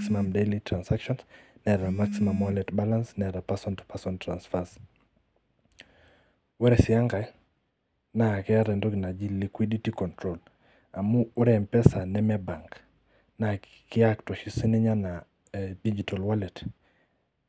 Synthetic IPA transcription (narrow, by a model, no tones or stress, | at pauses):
simamdelitɾansakʃɔnsnɛɾamaksimamwalɛtbalansnɛɾapasɔntpasɔntɾansfas | wɛɾɛsɪaŋɡa | nakɛaɾɛndokɪnad͡ʒilikwiditikɔntɾol | amuːɾɛmpɛsanɛmɛbaŋk | na | kɪaktwɔʃisinɛɲana | did͡ʒitalwalɛt